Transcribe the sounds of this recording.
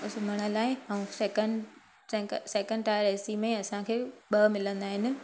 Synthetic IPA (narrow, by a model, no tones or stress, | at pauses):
ʊsmɐɽ̃əlaːɪɦaũsɛkə̃ɳɖ | sɛ̃kseːkə̃ɳɖʈaːɾɛːsimẽɐsãkʰeːɓɐmɪlə̃nd̪aːɦɪnɪ̆